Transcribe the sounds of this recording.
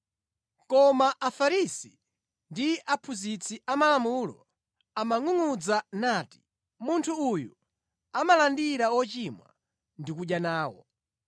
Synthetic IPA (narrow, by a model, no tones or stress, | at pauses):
kɔmaʔafaɾisi | ndiʔapʰuzit͡sʰiʔamalamuːlɔ̰ | amaŋuŋud͡zanaːti̥ | muntʰuːju | amalandiɾawɔt͡ʃimwa̰ | ndikuɗjanaːwɔ̰